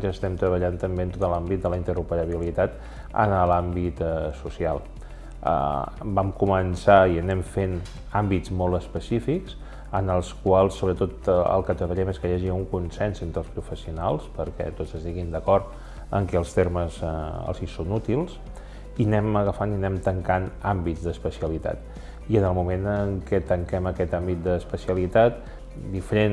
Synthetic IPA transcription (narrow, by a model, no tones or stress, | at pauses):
ʒəst̪ɛmt̪ɾəβəʎant̪əmbeənt̪ot̪əlambit̪̚d̪ələint̪əɾupəɾəβilit̪at̪ | ə̰nəlambit̪susia̰lˠ | ə̰bamkumənsaiənɛmfen | ambitzmolˠəspəsifiks | ənəlˠskwalˠsːoβɾət̪ot̪ə̰lˠkət̪əβəʎɛmeskəjaʒiuŋkunsɛnsent̪ɾəlˠspɾufəsiunalˠspəɾkɛ̰t̪otəst̪iɣind̪əkɔrt̪ | ə̰ŋkɛəlˠst̪erməzə̰lˠzisonut̪ilˠs | inɛməɣəfaninɛmt̪əŋkanambizd̪əspəsiəlit̪a̰t̪̚ | iənəlˠmumenəŋkɛt̪əŋkɛməkɛt̪ambit̪̚d̪əːspəsiəlit̪at̪ | d̪ifəɾen